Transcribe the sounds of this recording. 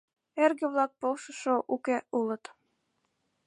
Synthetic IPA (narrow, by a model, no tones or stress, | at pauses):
erɣə̆βlɑk̚polʃəʃoʔukeulɤ̆t̪